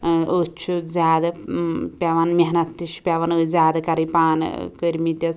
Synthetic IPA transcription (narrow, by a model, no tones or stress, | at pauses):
ot͡ʃʰuzʲaːd̪ɐpʲɐʋɐnmʲɐɦnɐt̪ːiʃpʲɐʋɐnəzʲaːd̪ɐkɐɾɐpaːn̰kəɾmit̪jɐs